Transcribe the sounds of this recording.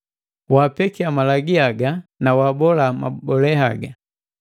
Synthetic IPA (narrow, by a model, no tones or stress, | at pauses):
waːpɛkiamalaɡiaɡanawaːbɔlama̰bɔlɛhaɡa